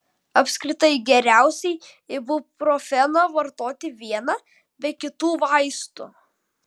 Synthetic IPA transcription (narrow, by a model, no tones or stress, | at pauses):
ɐpʲsʲkɾʲɪt̪ɐɪɡʲɛɾʲæˑʊsʲɛɪ | ɪbʊpɾoːfʲɛnɐʋɐɾt̪oːt̪ʲɪʋʲiɛnɐ | bʲɛkʲɪt̪uːʋɐɪst̪ʊ̰